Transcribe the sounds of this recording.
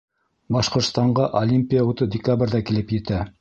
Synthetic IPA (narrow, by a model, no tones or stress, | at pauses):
bɑʃqŏɾt̪st̪ɑɴɢɑʔolʲimʲpʲijaut̪ɤdʲɪkabrʲðɑkilɘpjɘ̆t̪æ